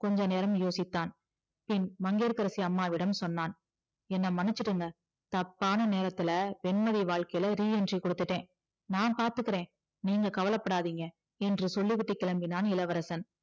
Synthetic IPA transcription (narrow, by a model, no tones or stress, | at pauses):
kɔɲd͡ʒɐ̃neːɾɐmjoːsɪt̪ːaːn | pɪnmɐŋɡeːɾkɐɾɐsiɐmːaːʋɪɽɐmsɔnːaːn | ɛnːɐmɐnɪt͡ʃːɪʈːɯŋɡɐ | t̪ɐpːaːnɐneːɾɐt̪ːɪlɐpɛnmɐðiʋaːɭkɐjɪlɐɾiːɛndrikɔɽɯt̪ːɯʈːẽː | naːnpaːɾt̪ɯkːɪɾẽː | niːŋɡɐkɐʋɐlɐpːɐɽaːðiːŋɡɐ | ɛndrɯsɔɭːiʋɪʈːɯkːɛlɐmbɪnaːnɪlɐʋɐɾɐsɐn